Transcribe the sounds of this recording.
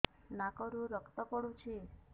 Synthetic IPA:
nakəɾũɾəkt̪əpəɽũt͡ʃʰi

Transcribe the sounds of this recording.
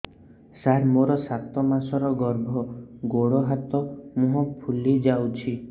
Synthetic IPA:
saɾmoɾɔsat̪ɔmasɔɾɔɡɔɾbʱɔɡoɽɔɦat̪ɔmuɦɔpʰulid͡ʒawt͡ʃʰi

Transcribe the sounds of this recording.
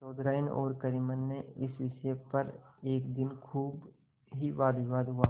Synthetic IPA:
t͡ʃɔːd̪ɾaːnɔ̰ːɾkəɾimənːeɪsʋɪʃpɐɾeːkd̪ɪnkʰuːb | ɦiʋaːd̪ɪʋaːd̪ɦʊaː

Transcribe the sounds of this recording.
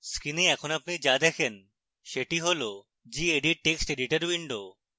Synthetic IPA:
skineɛkʰonapnid͡ʑad̪ɛkʰen | ʃeʈiɦolo | d͡ʑieɖiʈ̚ʈeksʈeɖiʈaɾwiɳɖo

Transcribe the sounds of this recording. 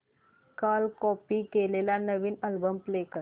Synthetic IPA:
kalkɔpikelelanəʋiːnəlbəmplekəɾ

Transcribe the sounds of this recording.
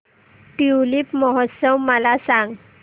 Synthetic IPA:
ʈiwlipmɔɦɔt̪səwməlasãŋɡ

